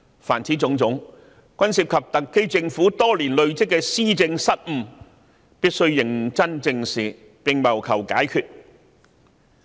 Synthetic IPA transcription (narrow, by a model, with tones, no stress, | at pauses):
faː˨˩nt͡sʰiː˨˥t͡sʊ˨˥ŋt͡sʊ˨˥ŋ | kʷɐ˥nsiː˨˩p̚kʰɐ˨p̚t̪ɐ˨kːe˥jt͡sɪ˧ŋfu˨˥t̪ɔː˥liː˨˩nlɵ˨˧ɥt͡sɪ˥kːɛ˧siː˥t͡sɪ˧ŋsɐ˥t̚m̩˧ | piː˥t̚sɵ˥ɥːɪ˨˩ŋt͡sɐ˥nt͡sɪ˧ŋsiː˨ | pɪ˨ŋmɐ˨˩wkʰɐ˨˩wkaː˨˥jkʰyː˨t̚